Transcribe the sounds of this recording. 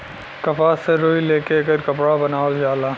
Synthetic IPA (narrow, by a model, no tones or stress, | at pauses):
kɐpaseɾoːileːkekəɾkɐpɽabɐnaːold͡ʒaːlaː